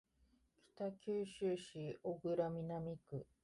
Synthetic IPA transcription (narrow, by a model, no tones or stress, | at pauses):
kʲi̥t̪akʲɨːɕɨːɕioɡɯ̟ɾamʲinamʲikɯ̟